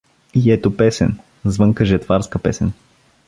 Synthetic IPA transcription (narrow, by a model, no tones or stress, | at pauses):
iɛt̪opɛsɛ̰n | zvɤŋkəʒɛt̪vaɾskəpɛsɛn